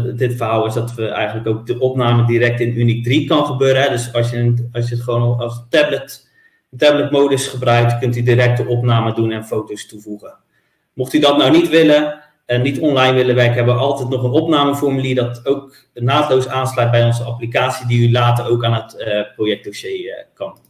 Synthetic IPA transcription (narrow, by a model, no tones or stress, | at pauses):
dɪtfərɦaːlˠɪsdɑtʋəɛ̰jχənləkowk̚dəʔɔpnaːmədiɾɛk̚tɪnynik̚drikɑnχəbøːɾəɦɛdøsɑsjəɑs̬jəətχəʋonɑstɛblət | əntɛblətmowdəsχəbrœɥk̚tkɵntydiɾɛk̚təʔɔpnaːmədunɛnfowtostuvuχə | moχtydɔtnawnitʋɪlə | ənitɔnlajnʋɪləʋɛrkəɦɛbəʋəʔɑlˠtɛjtnɔχənɔpnaːməfɔrmyliədɔtowk | naːtlowsaːnslœjt̚bɛjɔnzəaplikaːtsidiylaːtərowkaːnɦətprojɛk̚d̥oʃeːkɑn